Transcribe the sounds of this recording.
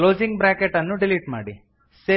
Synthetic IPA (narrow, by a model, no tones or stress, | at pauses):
loːd͡ʒiŋɡ̚bɾaːkeʈɐnːuɖiliːʈmaːɽi | se